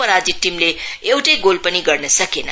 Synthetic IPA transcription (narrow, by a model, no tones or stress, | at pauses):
ʌɾad͡zit̪̚ʈːimleewʈʌjɡolpʌniɡʌrnʌsʌkenʌ̰